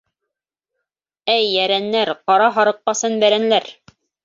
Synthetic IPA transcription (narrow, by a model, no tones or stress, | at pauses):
æjːæɾænːæɾqɑɾɑɦɑɾɤ̆qːɑsɤnbæɾænlæɾ